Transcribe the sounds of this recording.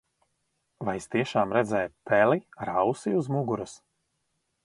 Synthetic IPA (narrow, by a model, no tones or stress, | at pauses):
vajst̪iɛʃaːmɾɛd̪zɛːjpɛliɾawsiuzmuɡuɾus